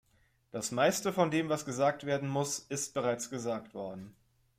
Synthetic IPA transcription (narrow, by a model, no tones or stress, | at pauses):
d̥asmaɪstəfɔndeːmvasɡ̥əzaːk̚tv̥eːɐdn̩mʊsɪst̚b̥əʁ̞aɪt͡sɡ̥əzaːktv̥ɔɐdn̩